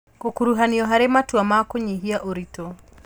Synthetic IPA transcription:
kɔkuɾuɦaniɔɦaɾɛmatuamakɔɲiɦiaʔɔɾitɔ

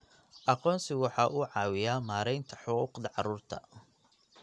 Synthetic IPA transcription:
ʔɑqɔːnsɪwɑħɑːʔuːʕɑːwɪjaːmaːɾɛjnt̪ʰɐ̥ħʊquːqd̪ɐʕɑɾuːrt̪ʰɐ

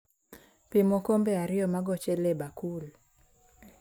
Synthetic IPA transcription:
pimɔkɔmbɛaɾɪɔmaɡɔt͡ʃɛlɛbakul

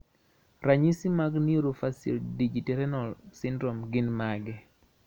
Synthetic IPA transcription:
ɾaɲisimaɡnioɾofasḭldid͡ʒitɛɾɛnɔlsɪndɾomɡɪnmaɡɛ

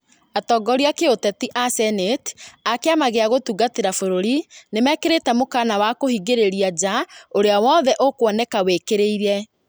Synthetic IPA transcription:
atɔɡɔɾiakeotɛtiʔasɛnetakeamaɣeaɣotuɡateɾafoɾoɾinemɛkeɾetɛmokanawakohiɡeɾeɾiad͡ʒaoɾeawɔːðɛʔokwɔnɛkawekeɾeiɾɛ

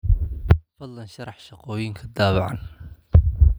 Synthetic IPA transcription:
fɐd̪lɐnʃɐɾɑħʃɑqɔːjɪŋkʰɐd̪aːβɑʕɑn

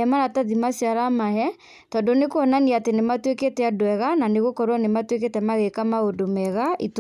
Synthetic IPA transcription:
ɛmaɾataðimasiaɾamaɦɛ | tɔdɔnekoɔnaniatenematweketɛadwɛɣananeɣokɔɾwanematweketɛmaɣekamaodomɛɣaʔit

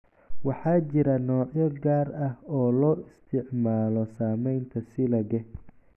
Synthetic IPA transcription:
wɑħɑːt͡ʃɪɾɐnɔːʕjɔɡaːrɐhɔːlɔːɪst̪ʰɪʕmaːlɔsaːmɛjnt̪ʰɐsɪlɐɣɛ

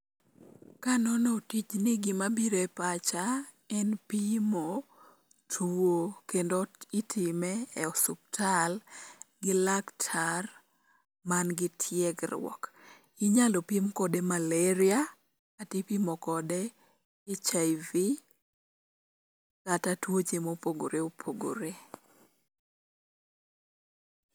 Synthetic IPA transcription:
kanɔnɔtit͡ʃnɪɡɪmabiɾoɛpat͡ʃa | ɛnpimo | tʰuokendoitʰimɛːɔsup̚tʰalɡɪlaktʰar | manɡɪtʰjɛɡɾwɔ̰k | ɪɲalopimkɔdemalɛɾɪa | atipimokɔdeː | t͡ʃajvi | katatwot͡ʃemopoɡo̰ɾeopʰoɡo̰ɾe

